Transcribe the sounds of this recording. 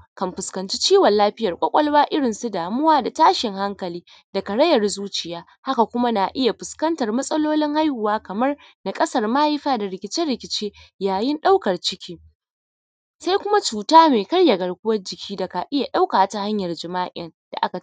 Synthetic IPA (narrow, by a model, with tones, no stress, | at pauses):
kɐ˨mɸɪ˨skɐ˨nt͡ʃi˦t͡ʃiː˦wɐ˨nlːaː˦ɸɪ˦jɐ˨rkʷʼɐ˦kʷʼɐ˦lwaː˦ʔɪ˦ɽɪ˨nsu˦daː˨mʊ˦waː˦da˨taː˦ʃɪ˨ŋha˦ŋkɐ˨liː˦ | da˨kɐ˨ɽɐ˦jɐ˨rzuː˦t͡ʃɪ˨jaː˦ | ha˦ka˨kʷʊ˦ma˦naː˨ʔɪ˦ja˨ɸɪ˨skɐ˦ntɐ˨rmɐ˦sʼɐ˦loː˦lɪ˦ŋha˦jhʊ˨waː˦kɐ˨mɐ˦rna˨kʼɐ˦sɐ˦rmaː˦ji˦ɸaː˦da˨ɾɪ˨kʲɪ˨t͡ʃɪ˦rɽɪ˨kʲɪ˨t͡ʃeː˦jaː˨jɪ˦nɗa˦wkɐ˨rt͡ʃɪ˦kʲʰiː˦ | sa˦jkʷʊ˦ma˦t͡ʃuː˨taː˦meː˨kɐ˦ɽja˨ɡɐ˨ɽkʷʊ˦wɐ˦rd͡ʒɪ˨kʲiː˦da˨ka˨ʔɪ˦ja˨ɗa˦wkaː˨˦ta˨ha˦ɲjɐ˨rd͡ʒɪ˨maː˦ʔɪ˦n | d̥a̰˨ʔa˦ka˨